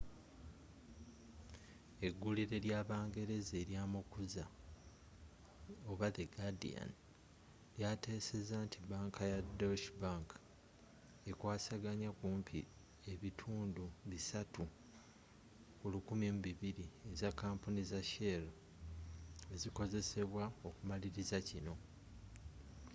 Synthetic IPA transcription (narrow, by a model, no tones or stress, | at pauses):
e̞ɡːuliɾe̞ɾjaːβaːŋɡe̞ɾe̞zeːɾjaːmukuza | o̞βaðeɡadḭa̰n | ljate̞ːse̞zaːntʰibaːŋkʰajadolʃibaːŋkʰḁ | ekwaːsaɡaɲakuːmpʰi | e̞βitʰuːnduβisatʰu | kulukumimuβiβiɾie̞zakːaːmpunizaʃelo̞ | e̞ziko̞ze̞se̞βwao̞kumaliɾizacino̞